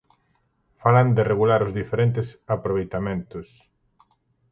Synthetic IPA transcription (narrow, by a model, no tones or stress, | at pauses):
faland̪ɪreɣulaɾʊzðifeɾent̪ɪsapɾoβejt̪amẽnt̪ʊs